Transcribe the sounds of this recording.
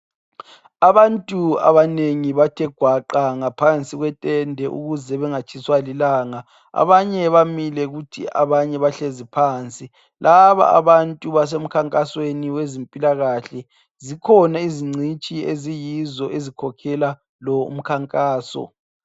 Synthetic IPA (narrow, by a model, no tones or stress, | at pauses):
aβantʼua̰βaneŋiβatʰɛɡ̥ʱwaǃaŋapʰant͡sʼiɣwɛtʼɛndʱɛʔṵɣuzɛβɛŋat͡ʃʰiswalilaːŋa | a̰βaɲɛβamilɛɣutʰḭʔa̰βaɲɛβaɬezipʰaːnt͡sʼi | lʔaβa̰a̰βantʼuβas̬em̩kʰaŋkʼasweniwezempʼilaɣaɬɛ | zikʰɔnaiziŋ͡ǀʱit͡ʃʼiezijizɔʔezikʰɔkʰɛla | lɔṵm̩kʰaŋkʼaːsɔ̰